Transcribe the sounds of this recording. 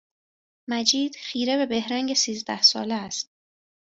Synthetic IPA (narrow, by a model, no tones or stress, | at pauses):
mæd͡ʒiːd̪̥xiːɾe̞βe̞be̞hɾæŋɟe̞siːzd̪æhsɒːleæst̪̚